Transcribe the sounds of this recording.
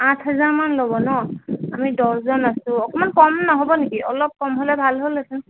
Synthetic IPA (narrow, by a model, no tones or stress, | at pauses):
ãtʰɦazaɹmanlobɔnɔamidɔszɔnasʊ̃ɔkɔmankɔmnɔɦobɔnekiʔɔlɔp̚kɔmɦolɛbʱalɦolasun